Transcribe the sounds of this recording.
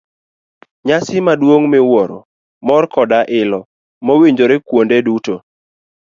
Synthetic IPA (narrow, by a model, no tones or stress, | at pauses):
ɲasɪmadwoŋmɪwɔɾɔ̰ | mɔrkɔdaʔɪlɔ | mowiɲd͡ʒoɾekwondeduto